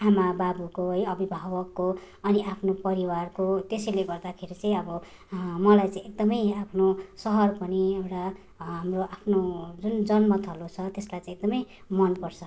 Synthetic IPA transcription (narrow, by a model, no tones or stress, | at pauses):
amababukoɦʌjʌbibʱawʌkːo | ʌniʔapʰnopʌɾiwarkot̪esʌjleɡʌrd̪akʰeɾit͡sʌĩʌbʌ | mʌlajt͡sãĩek̚d̪ʌmʌjapʰnosʌɦʌrpʌniewʈa | ɦamroʔapʰnod͡zund͡zʌnmʌt̪ʰʌlot͡sʰʌt̪eslajt͡saĩek̚d̪ʌmʌj | mʌnpʌrt͡sʰʌ